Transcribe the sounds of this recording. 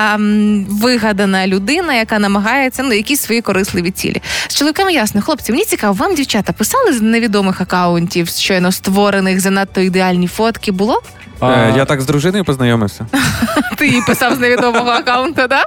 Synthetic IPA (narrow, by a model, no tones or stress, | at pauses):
ʋɪɦɐd̪ɐnɐlʲʊd̪ɪnɐjɐkɑnɐmɐɦɑjet͡sʲːɐnujɐkʲisʲsʋɔjikɔɾɪslˠɪʋʲit͡sʲḭlʲḭst͡ʃolˠɔʋʲikɛmjasnɔxlˠɔpt͡sʲimenʲit͡sʲikɑʋɔʋɑmdʲiwt͡ʃat̪ɐpɪsɑlˠɪzneʋʲid̪ɔmɪxɐkɑʊnʲtʲiwʃt͡ʃɔjnɔst̪ʋɔɾenɪxzɐnɑt̪ːɔid̪eɑlʲnʲifɔt̪kʲɪbʊlˠɔ | jat̪aɡzd̪ɾʊʒɪnɔjʊpɔznɐjɔmɪwsʲɐt̪ɪipɪsɑwzneʋʲid̪ɔmɔɦɔɐkaʊnt̪ɐd̪a